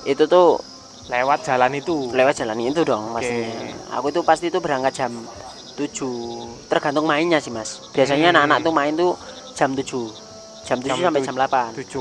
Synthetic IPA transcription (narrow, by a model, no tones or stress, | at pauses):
it̪ut̪uh | lewat̪̚dd͡ʒ̥alanit̪ulewat̪̚d͡ʒ̥a̤lanit̪udɔŋpast̪iɲaa̰kuit̪upast̪it̪ubəɾaŋkat̪̚d͡ʒ̥am | t̪u̥d͡ʒ̥ut̪ərɡ̥ant̪ʊŋmaɪnɲasɪhmasb̥ias̬aɲaːnaanaʔt̪umaɪnt̪u̥ | ʒ̥a̤mt̪u̥d͡ʒ̥u | d͡ʒ̥amt̪ud͡ʒusampɛd͡ʒ̥a̤mlapan